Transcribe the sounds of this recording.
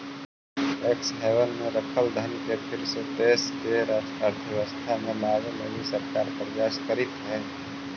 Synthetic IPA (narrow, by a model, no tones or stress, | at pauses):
eːksɦeːwənmẽɾəkʰəld̪ʱənkepʰɪɾset̪eːskeɾasʈaːɾt̪ʰjəʋəst̪ʰamẽlaːɡmelisəɾkaːɾpɾəd͡ʒaːskəɾɪt̪ɦɛː